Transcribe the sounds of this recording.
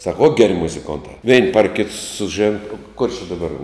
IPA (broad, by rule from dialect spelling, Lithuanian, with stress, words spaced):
sɐk oːt ɡʲɛˈrʲɪ mʊzʲɪˈkoːntɐ ʋʲɛɪn pɐr kʲɪt sʊˈʒʲeːn kʊr t͡ʃʲɪ dɐˈbɐr